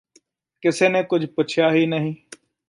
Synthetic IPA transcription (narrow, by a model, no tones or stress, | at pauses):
kɪsenekʊd͡ʒʱpʊt͡ʃʰjaɦiːnəɦĩː